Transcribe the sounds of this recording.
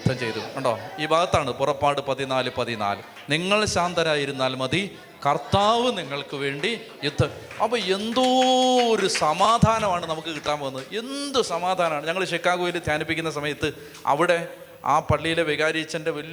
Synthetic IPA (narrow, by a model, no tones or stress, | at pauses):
d̪ʱːɐmt͡ɕejt̪uuɳɖo̰ːiːbʱaːɡɐt̪ːaːɳɨpurɐpːaːɽɨpɐðinaːlɨpɐðina̰ːlɨ | niŋːɐɭɕaːnd̪ɐɾaːjiɾunːaːlmɐði | kɐrt̪aːʋɨniŋːɐɭkɨʋe̞ːɳɖi | jud̪ʱːɐm | ɐpːɐːe̞nd̪ooɾusɐmaːd̪ʱaːnɐmaːɳɨnɐmukːɨkiʈːaːnʋɐnːɐðɨe̞nd̪usɐmaːd̪ʱaːnɐmaːɳɨɲɐŋːɐɭɕekːaːɣujild̪ʱjaːnipːikʲːunːɐs̬ɐmɐjɐt̪ːɨ | ɐ̰ʋiɽe̞ | aːpɐɭːijileʋiɣaːɾit͡ɕːɐnde̞ʋɐl